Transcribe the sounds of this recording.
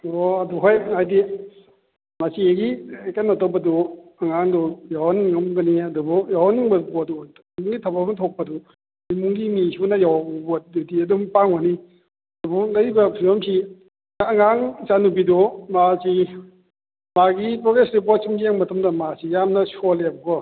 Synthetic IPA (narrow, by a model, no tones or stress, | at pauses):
oɐduɦajajdi | masieɡikanatɔwbɐduɐŋaŋdujawaniŋɐmɡɐniɐdubɔjawɦaniŋbɐbuɐdu | imuŋɡitʰapamntʰok̚pɐdu | nimuŋɡimisunɐjawbbɔdudiɐdumpaŋɔni | ɐdubɔlajbɐpʰiɔmsiː | ŋaŋt͡ʃanubidɔmazi | maɡipɾɔɡesɾipɔt̚simɡieŋmɐtʰɐmdɐmazijamnɐsɔlebɐɡɔ